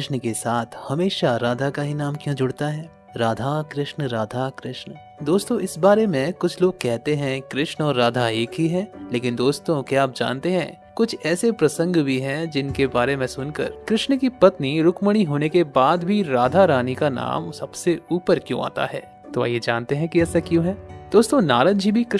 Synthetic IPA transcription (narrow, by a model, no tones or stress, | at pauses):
ɪʃnkesaːt̪ʰhɐmeːʃaɾaːd̪ʱakaɦinaːmkjõd͡ʒʊɽt̪aɦɛː | ɾaːd̪ʱakɾɪʃnɾaːd̪ʱakɾɪʃn | d̪oːst̪õɪsbaːɾemẽkʊt͡ʃʰloːɡ̚kɛɦt̪eɦɛ̃kɾɪʃnɔːɾːaːd̪ʱaeːkɦiɦɛ̃ːleːkɪnd̪oːst̪õkjaaːp̚d͡ʒã̰ːnt̪eɦɛ̰̃ː | kʊt͡ʃʰɛːsepɾɐsə̃ŋɡbʱiɦɛd͡ʒɪnkebaːɾemẽsʊnkə̰ɾkɾɪʃɳkipɐt̪niɾʊkməɽ̃iɦoːnekebaːd̪bʱiɾaːd̪ʱaɾaːnikana̰ːmsɐb̥seuːpəɾkjõ̰a̰ːt̪a̰ɦɛː | t̪oa̰jed͡ʒaːnt̪eɦɛ̃kiɛːsakjõːɦɛːd̪̥oːst̪õnaːɾənd͡ʒʱibʱikɾɪ